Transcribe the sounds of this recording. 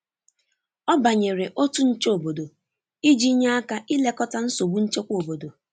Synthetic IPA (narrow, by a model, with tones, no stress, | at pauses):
ɔ˦ba˨ɲe˨ɾe˨ʔo˦tu˦n̩˦t͡ʃe˦o˨bo˨do˨ | i˦d͡ʒi˦ɲe˦a˦ka˦ʔi˦le˦kɔ˦ta˦n̩˦so˨bu˦n̩˦t͡ʃe˦kʷo˨bo˨do˨